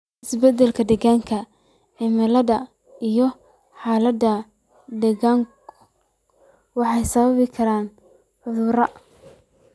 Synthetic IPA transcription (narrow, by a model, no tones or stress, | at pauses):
ɪsbɛd̪ɛlkʰɐd̪ɛɣaːŋkʰɐ | ʕɪmɪlɐðɐ | ijɞ | ħɑːlɐd̪ɐ | d̪ɛɣaːŋ | wɑħɑjsɐβɐβɪkʰɐɾaːn | ħʊðʊɾɐ